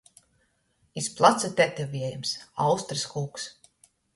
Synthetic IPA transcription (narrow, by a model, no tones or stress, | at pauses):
isplˠat̪sat̪ʲɛt̪ʲɛvʲiɛjumsawst̪ɾɨskuːks